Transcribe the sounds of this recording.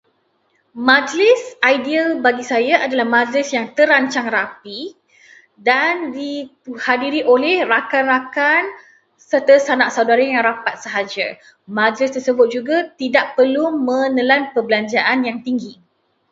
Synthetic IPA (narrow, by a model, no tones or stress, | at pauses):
mãd͡ʒlɪsajdialbaɡisajaʔadalahmãd͡ʒlɪsjaŋt̪əɾaɲt͡ʃaŋrapi | dandihadiɾiʔolɛhrakanrakan | sərt̪əsanaʔsawdaɾajaŋɾapat̪̚səɦad͡ʒa̰ | mãd͡ʒlɪst̪ərsəbʊt̪̚d͡ʒuɡat̪idaʔ̚pərlumə̃nəlanpəbəlaɲd͡ʒaʔanjaŋt̪iŋɡi